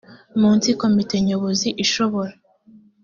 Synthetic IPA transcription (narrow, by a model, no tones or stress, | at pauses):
muːnt͡siko̞mite̞ɲoβoziʔiʃo̞βo̞ɾa